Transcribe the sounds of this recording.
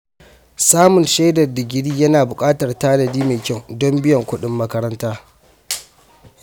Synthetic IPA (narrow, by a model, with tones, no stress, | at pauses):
saː˦mʊ˨nʃeː˦dɐ˨rda˨ɡʲɪ˦ɽiː˦jɐ˦naː˨bʊ˨kʼaː˦tɐ˨rtaː˦lɐ˨diː˦meː˨kʲɐ˦˨ŋdɔ˦mbɪ˦jɐ˨ŋkʷʊ˦ɗɪ˦mːɐ˦kɐ˦ɾɐ˦ntaː˦